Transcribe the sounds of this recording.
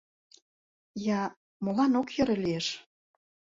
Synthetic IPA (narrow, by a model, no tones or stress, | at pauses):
jɑ | molɑnokjɤ̆ɾɤ̆lieʃ